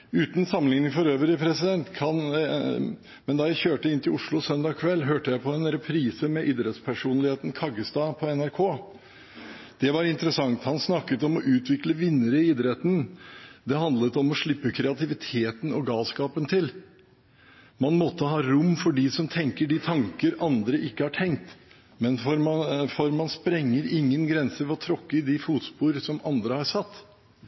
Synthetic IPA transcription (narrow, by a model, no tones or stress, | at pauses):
ʉːt̪n̩sɑmːəlɪŋənɪfɔɾøːʋəɾɪpʰɾɛsɪd̪ɛnt̪kʰɑn | mɛnd̪ɑːjæɪçøːʈəɪnt̪ʰɪlʊʂlʊsœnd̪ɑːkʰʋɛlːɦøːʈəjæɪpʰɔɛnɾɛpʰɾiːsəmɛʔiːd̪ɾɛt̪spʰæʂuːnlɪheːt̪nkʰɑɡəst̪ɑːpʰɔɛnæɾkʰoː | d̪̥ɛʋɑɾɪnt̪əɾəsɑŋt̪hɑnsnɑkːət̪ɔmɔʔʉːt̪ʰʋɪkləʋɪnːəɾəɪɪːd̪ɾɛt̪n̩d̪ɛɦɑnd̪lət̪ɔmɔʂɭɪpːəkʰɾɛɑt̪ɪʋɪt̪ʰeːt̪ənɔɡɑːlskɑːpənt̪ʰɪl | mɑnmɔt̪ːəɦɑːɾʊmːfɔɖɪsɔmt̪ʰɛŋkəɖɪt̪ʰɑŋkəɾɑnd̪ɾəʔɪkːəhɑʈʰɛŋk̚t̪ | mɛnfɔɾmfɔɾmɑnspɾɛŋːəɾɪŋːənɡɾɛnsəʋɔt̪ʰɾɔkːəɪd̪ɪfuːt̪spuːɾsɔmɑnd̪ɾəhɑɾsɑt̪ː